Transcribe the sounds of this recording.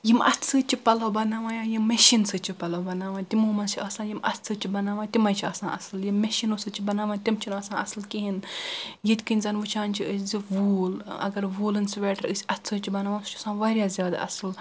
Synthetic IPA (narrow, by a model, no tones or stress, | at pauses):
jimɐ̰tsɨːt͡ʃʰipɐlɐwbɐnaːʋãːjaːjimːeʃinsɨt͡ʃʰipɐlɐwbɐnaːʋãːt̪ʲimoːmɐnt͡ʃʰiʔɐːsãːjimɐ̰tt͡sɨt͡ʃʰibɐnaːʋaːt̪ʲimɐjt͡ʃʰiɐsãːʔɐ̰sɨljimːeʃinoːsɨt͡ʃʰibɐnaːʋãːt̪ʲimt͡ʃʰinɐsãːɐsɨlkiɦinjit̪ʲkɨnʲzɐːnʋɨt͡ʃʰãːnt͡ʃʰiziʋuːlɐ̰ɡɐɾʋoːlɨnsʋʲɛːʈɐɾɨsʲɐtt͡sʰɨt͡ʃʰibɐnaːʋaːnsu̥t͡ʃʰɐsãːʋaːɾjaːzʲjaːd̪a̰ːʔɐ̰sɨl